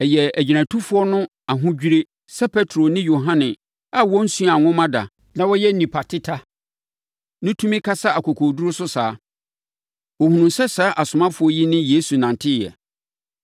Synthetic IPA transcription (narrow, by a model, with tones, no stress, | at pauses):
ɛ˨jɛ˨æ˨d͡ʑi˨næ̃˨tʰu˦fʊ˦ɔ˦nʊ̃˦ | a˨ɦʊ̃˦d͡ʑᶣi˦ɾe˦ | sɛ˦pʰɛ˦tʰɾo˨nɪ̃˦jo˨ɦã˦nɪ̃˨ | a˦wɔ̃˦n̩˦su˦ã˨ŋʊ̃˦mã˦da̰˨ | nã˦wɔ˦jɛ˦n̩˦nĩ˨pʰa˨tʰɪ˦tʰa˦ | nʊ̃˦tʰu˦mĩ˦kʰa˦sa˦a˨kʰɔ˨kʰo˨du˦ɾʊ˦sʊ˦saː˨˦ | wo˨hũ˨nũ˨msɛ˦sa˨˦ʔa˨sʊ˨mã˦fʊ˨˦ɔ˦ji˦nɪ̃˦je˦su˨nã˨n˨tʰɪ˦˨jɛ̰˨